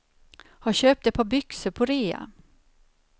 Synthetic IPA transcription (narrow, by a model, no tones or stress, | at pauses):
haɕøːpt̪ɛt̪̚pʰɑːbʏksəɾpʰɔɾeːa̰